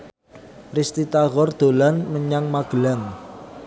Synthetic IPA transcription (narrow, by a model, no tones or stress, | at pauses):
rist̪it̪aɣɔrd̪̥o̤lanməɲaŋmaɡ̥əlaŋ